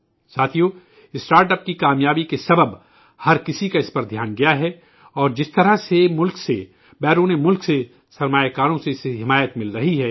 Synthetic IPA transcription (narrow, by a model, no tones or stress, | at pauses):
saːt̪ʰijo | ɪsʈaːɾʈəp̚kikaːmjaːbikesɐbəb | hɐɾkɪsikaɪspɐɾd̪ʱjaːnɡɐjaɦɛ | ɔːɾd͡ʒɪst̪ɐɾasemʊlkse | bɛːɾuːnemʊlkse | sɐɾmaːjakaːɾõseɪseɦɪmaːjət̪mɪlɾɐɦiɦɛː